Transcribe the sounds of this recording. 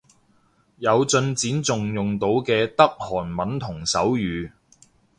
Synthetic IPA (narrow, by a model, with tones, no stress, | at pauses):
jɐ˨˧wt͡sɵ˧nt͡siː˨˥nt͡sʊ˨ŋjʊ˨ŋt̪o˨˧˥wkɛː˧t̪ɐ˥k̚hɔː˨˩nmɐ˨˥nt̪ʰʊ˨˩ŋsɐ˨˥wjyː˨˧